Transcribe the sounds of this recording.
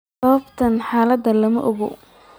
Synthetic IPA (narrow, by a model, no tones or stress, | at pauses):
sɐβɐbt̪ʰɐnħaːlɐd̪ɐlɐmɐ̰ʔɔɣɔ̰